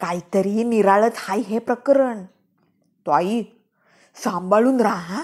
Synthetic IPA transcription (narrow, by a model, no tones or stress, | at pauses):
kait̪əɾiːniɾaɭət̪hajɦepɾəkɾəɳ | t̪oai | sãmbaɭuːnɾaɦã